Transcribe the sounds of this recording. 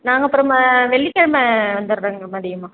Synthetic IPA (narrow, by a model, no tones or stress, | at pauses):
naːŋɡɐpːɯɾɐ̃mʋɛɭːikːeɻmɐʋɐnd̪ɯɾɾeːŋɡɐmɐːɽɪjɯmaː